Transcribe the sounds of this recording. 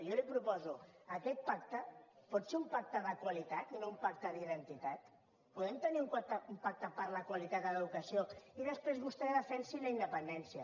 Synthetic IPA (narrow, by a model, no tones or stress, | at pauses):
jɔlipɾupɔzuəkɛt̪̚pak̚t̪əpɔt̪seumpak̚t̪əðəkwalit̪at̪inoumpak̚t̪əðiðənt̪it̪at̪ | puðɛmt̪əniumkat̪əumpak̚t̪əpaɾləkwalit̪at̪d̪ələðukəsioiðəspɾezβust̪ɛeaðəfɛnsiləind̪əpənd̪ɛnsiə